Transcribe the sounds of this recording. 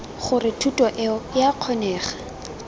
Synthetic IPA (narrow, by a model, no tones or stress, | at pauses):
χʊrɪtʰutʼɔʔɛjaq͡χʰɔnɛːχḁ